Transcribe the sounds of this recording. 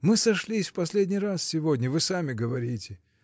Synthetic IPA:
mɨsɐʂlʲisʲfpɐsʲlʲedʲnʲijrassʲɪvodʲnʲəvɨsamʲɪɡəvɐɾʲitʲɪ

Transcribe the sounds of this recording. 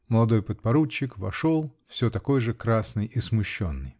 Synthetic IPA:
məlˠɐd̪o̞jpət̪̚pɐɾut͡ɕːɪkvɐ̰ʂolˠfsʲɵt̪ɐko̞jʐɨkɾasnɨjʔismʊɕːonːɨj

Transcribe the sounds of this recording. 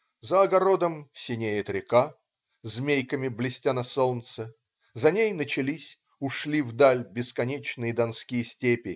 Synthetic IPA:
zəɐɡɐɾo̞d̪əmsʲɪnʲejɪt̪ɾʲɪka | zmʲejkəmʲɪblʲɪsʲtʲanɐsolˠnt̪sə | zɐnʲejnət͡ɕɪlʲisʲ | ʊʂlʲivd̪alʲbʲɪskɐnʲet͡ɕnɨjəd̪ɐnskʲijəsʲtʲepʲɪ

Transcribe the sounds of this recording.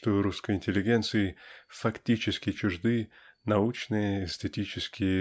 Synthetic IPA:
t̪oɾuskəjɪnʲtʲɪlʲːɪɡʲent̪sɨɪfɐktʲit͡ɕɪskʲɪt͡ɕʊʐd̪ɨ | nɐut͡ɕnɨjəesʲt̪ʲɪtʲit͡ɕɪskʲɪjə

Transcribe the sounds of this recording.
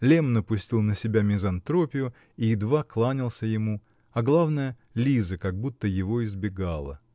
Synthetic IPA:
lʲemnəpʊsʲtʲilˠnəsʲɪbʲamʲɪzɐnt̪ɾo̞pʲɪjʊ | iɪd̪vaklˠanʲɪlˠsʲəjɪmu | ɐɡlˠavnəjə | lʲizɨkɐɡ̚but̪ːəjɪvo̞ɪzbʲɪɡalˠə̰

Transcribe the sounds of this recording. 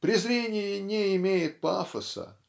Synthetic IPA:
pɾʲɪzɾʲenʲɪjɪnʲeɪmʲejɪt̪̚pa̰fəsə̰

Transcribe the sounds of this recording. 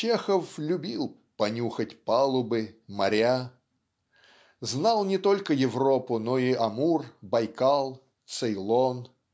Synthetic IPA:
t͡ɕexəflʲʊbʲilˠ | pɐnʲuxətʲpalˠʊbɨmɐɾʲa | znalˠnʲɪt̪olʲkəjɪvropʊnoiɐmurbɐjkalˠ | t̪sɨjlˠon

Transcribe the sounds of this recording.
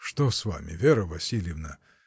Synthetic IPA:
ʂt̪osva̰mʲɪ̰vʲeɾəvɐsʲilʲjɪvnə

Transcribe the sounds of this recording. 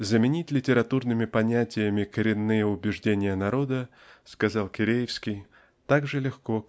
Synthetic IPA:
zəmʲɪnʲitʲlʲɪtʲɪɾɐt̪urnɨmʲɪpɐnʲætʲɪjəmʲɪkəɾʲɪnːɨjəʊbʲɪʐdʲenʲɪjənɐɾo̞d̪ə | skɐzɑlˠkʲɪɾʲejɪfskʲɪj | t̪aɡʐɨlʲɪxko̞

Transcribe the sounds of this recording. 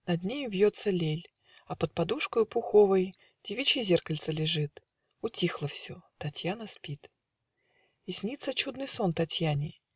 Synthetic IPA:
nɐd̪ʲnʲejvʲjot̪səlʲelʲ | ɐpət̪̚pad̪uʂkəjʊpʊxovəj | d̥ʲɪvʲit͡ɕɪzʲerkəlʲt̪səlʲɪʐɨt̪ | ʊtʲixlˠəfsʲot̪ɐtʲjanəspʲit̪ | ɪsʲnʲit̪sːət͡ɕud̪nɨjsont̪ɐtʲjanʲɪ

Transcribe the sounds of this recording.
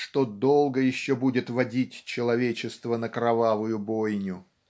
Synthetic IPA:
ʂt̪od̪o̞lˠɡəjɪɕːobudʲɪt̪vɐdʲitʲt͡ɕɪlˠɐvʲet͡ɕɪst̪vənəkɾɐvavʊjʊbojnʲʊ

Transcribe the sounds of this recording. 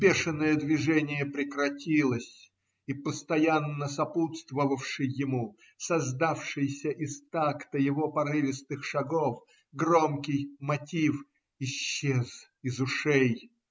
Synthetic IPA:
bʲe̞ʂɨnːəjəd̪vʲɪʐɛnʲɪjəpɾʲɪkɾɐtʲilˠəsʲ | ipəst̪ɐjanːəsɐput̪st̪vəvəfʂɨjːɪmu | sɐzd̪afʂɨjsʲəʔɪst̪akt̪əjɪvo̞pɐɾɨvʲɪsnɨxʂɐɡof | ɡromkʲɪjmɐtʲif | ɪɕːez̥ | ɪzʊʂej

